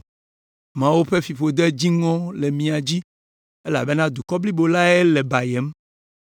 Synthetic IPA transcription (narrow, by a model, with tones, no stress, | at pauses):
mã˦wo˦ɸe˦fi˨ɸo˨d̪e˦d͡ʑi˦ŋɔ̃˦le˨mĩ˨a˨d͡ʑi˦ | e˦la̰˨be˦nã˦d̪u˨kɔ˦bli˦bo˨la˦e˦le˨ba˨je˨˦m